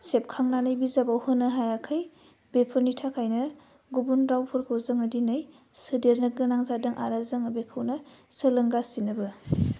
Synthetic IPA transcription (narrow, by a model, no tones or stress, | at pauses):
sep̚kʰaŋnanɯjbizabawhɯnɯɦajakʰaj | bepʰɯnitʰakʰajnɐ | ɡubunɾawpʰɯɾkʰɯwzɯŋɐdinɯj | sɯdeɾnɯɡɯnaŋzadɯŋʔaɾazɯŋɯbekʰɯwnɐsɯlɯŋɡasinɯbɯ